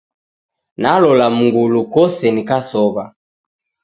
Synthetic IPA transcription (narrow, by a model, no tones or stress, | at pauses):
nalɔlamuŋɡulukɔsɛnikasɔβa